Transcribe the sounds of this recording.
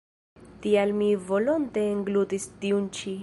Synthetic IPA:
t̪ialmivo̞lont̪eːŋɡlut̪ist̪iunt͡ʃi

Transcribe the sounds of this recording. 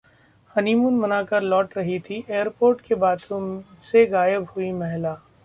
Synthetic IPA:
hɐnimunmɐnaːkɐɾlɔːʈɾɐɦit̪ʰiʔeːjəɾpoːɾʈkebaːt̪ʰõseɣaːjəbhʊimɛɦlaː

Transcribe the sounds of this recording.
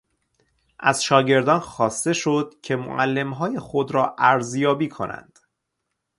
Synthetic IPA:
ʔæz̥ʃɒːɟe̞ɾd̪ɒːnxɒːst̪e̞ʃo̞d̪̥cʰe̞mo̰ʔælːe̞mɦɒːje̞xo̞d̪ɾɒːʔæɾzjɒːbiːkʰo̞̰nʔæ̰nd̪̥

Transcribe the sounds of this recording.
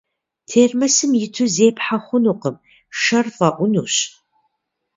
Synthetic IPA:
tʰeːrmɐsɨmjɪtʰɨzeːpħaχʷʊnuqəm | ʃɐrfɐʔʷʊnuːɕ

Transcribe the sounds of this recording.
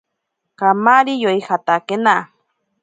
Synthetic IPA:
kamaɾijojxat̪akena

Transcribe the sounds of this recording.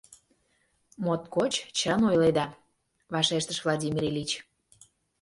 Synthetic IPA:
mot̪kot͡ɕt͡ɕənojled̪ɑ | vɑʃeʃt̪əʃvlˠɑdʲimʲiɾʲelʲit͡ɕ

